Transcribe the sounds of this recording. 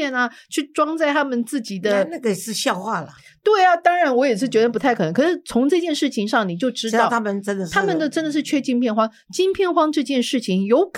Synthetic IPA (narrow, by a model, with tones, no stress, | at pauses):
ɛ˥˩nɐ˩t͡ɕʰy˥˩ʈ͡ʂwɑ˥ŋt͡sa˥˩ɪa˥mə˨nt͡sɹ̩˥˩t͡ɕi˨˩d̪ə˦na˥˩ɡə˨˩ʂɻ̩˥˧ɕjɑ˥˧ʊxwa˥˩lə˩ | t̪we˥˩ɪa˩t̪ɑ˥ŋɻa˧˥nwɔ˧˥jɛ˨˩ʂ̬ɻ̩˥˩t͡ɕɥɛ˧˥ə˧pu˧˥t̪ʰa˥˩ɪkɤ˨˩ɤ˧˥ŋkʰɤ˩ʂɻ̩˥˩t͡sʰʊ˧˥ŋʈ͡ʂɤ˥˧t͡ɕjɛ˥˧nʂɻ̩˥˩t͡ɕʰi˧˥ŋʂɑ˥˩ŋni˨˩t͡ɕjo˥˩ʊʈ͡ʂɻ̩˥t̪ʊt̪ʰa˥mə˨nʈ͡ʂə˥nd̪ə˨t̪ʰa˥˧mə˨˧nd̪ə˨ʈ͡ʂə˥nd̪ə˨˩ʂɻ̩˥˩t͡ɕʰɥɛ˥t͡ɕi˥˧npʰjɛ˥˩nxwɑ˥ŋ | t͡ɕi˥npʰjɛ˥˩nxwɑ˥ŋʈ͡ʂɤ˥˧t͡ɕjɛ˥˧nʂɻ̩˥˩t͡ɕʰi˨˩ŋjo˧˥ʊkʰ